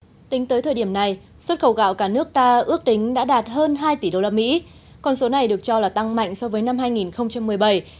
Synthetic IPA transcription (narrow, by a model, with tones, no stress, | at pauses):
t̪ï˨˦ŋ̟t̪əː˨˦jt̪ʰəː˨˩ɗi˧˩əmna˨˩j | swə˦˥t̚xə˧˩wɣa̰ː˧˨wkaː˧˩nɨ˦˥ək̚t̪aː˧ʔɨ˦˥ək̚t̪ï˨˦ŋ̟ɗa̰ː˧˥ɗaː˨˩t̚ɦəː˧nɦaː˧jt̪i˧˩ɗo˧laː˧mḭ˧˥ | kɔ˧nso˨˦na˨˩jɗɨ˨˩ək̚t͡ɕɔ˧laː˨˩t̪a˧ŋma̰˧˨jŋ̟sɔ˧vəː˨˦jna˧mhaː˧jŋi˨˩nxə˧wŋ͡mt͡ɕa˧mːɨ˨˩əjɓə˧˩j